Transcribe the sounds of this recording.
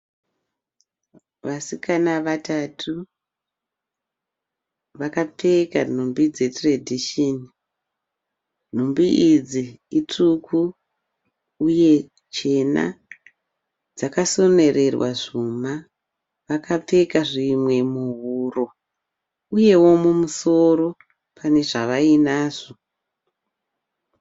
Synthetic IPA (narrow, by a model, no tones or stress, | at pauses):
ʋasikanaʋatatʰu | ʋakap͡fe̞kan̤umbid͡ze̞tradʱiʃoni | n̤umbiʔid͡zi | it͡ʂukʰu | uje̞ | t͡ʃe̞na̰ | d͡zakaso̞ne̞re̞rwa̰ʐuma | ʋakap͡fe̞kaʐimwe̞muɦuro̞ | uje̞wo̞mumuso̞ɾo̞ | pʰane̞ʐaʋainaːʐo̞